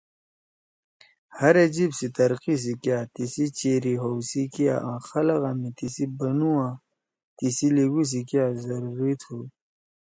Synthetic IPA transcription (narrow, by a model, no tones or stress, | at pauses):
hɐɾed͡ʑibsit̪ɐɾqis̬ikjat̪isit͡ɕeɾiɦowsikija̰ʔãxɐlaɣamit̪isibɐnuwã | t̪isiliɡus̬ikjazɐɾuɾit̪ʰu